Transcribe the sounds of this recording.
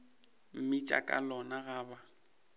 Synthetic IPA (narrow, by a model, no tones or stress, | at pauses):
m̩mɪt͡ʃʼa̰kʼa̰lɔnaɣaːba